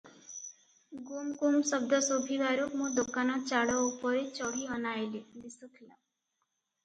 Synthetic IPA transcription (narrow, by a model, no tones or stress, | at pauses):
ɡumkumsəb̚d̪əsobʱiʋaɾokmũd̪okanɔt͡ʃaɽəupəɾet͡ʃɔɽ̤iɦənaelid̪isək̪ʰla